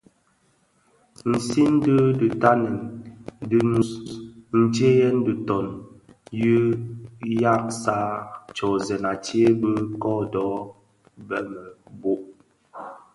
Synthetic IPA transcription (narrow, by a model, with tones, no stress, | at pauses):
n̩˨si˦n̩˦də˦də˨ta˦nɛ˨ndə˦nu˨n̩˨d͡ʒe˦jɛ˦n˦də˨tɔ˨n | jə˦ | ja˦˨k̚sa˦t͡ʃɔ˨zɛ˨na˨ti˦e˦bə˦kɔ˦dɔ˨˦ | bɛ˦mə˨bo˦ʔ